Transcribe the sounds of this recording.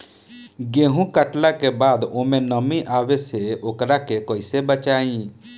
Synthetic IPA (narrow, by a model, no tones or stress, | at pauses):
ɡeːɦũkəʈlakebaːd̪oːmẽnəmĩʔaːʋeseoːkɾakekoːɪsebət͡ʃaːĩː